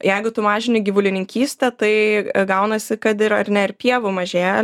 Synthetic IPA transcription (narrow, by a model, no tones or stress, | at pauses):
jɛɪɡʊt̪ʊmɑːʒʲɪnʲɪɡʲiʋʊlʲɪnʲɪŋʲkʲiːsʲt̪ʲɛt̪ɐɪɡɐʊnɐsʲɪkɐt̪ɪɾɐɾnʲɛɪɾpʲiɛʋʊmɐʒʲeːɛl